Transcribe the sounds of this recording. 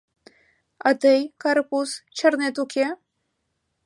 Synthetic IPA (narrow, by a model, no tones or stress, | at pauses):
ɑt̪əjkaɾpust͡ɕʰərnet̪ukʰʲe